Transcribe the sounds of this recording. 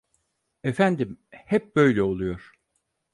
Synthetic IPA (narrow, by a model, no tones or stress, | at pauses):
efænd̪imhɛp̚bø̞jlʲɛo̞lˠujo̞ɾ̥